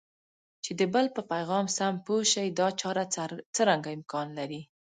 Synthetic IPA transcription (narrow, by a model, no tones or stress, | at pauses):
t͡ʃed̪əbəlpəpajɣɑmsampoʃajd̪ɑt͡ʃɑɾat͡səɾaŋɡaɪmkɑnlaɾi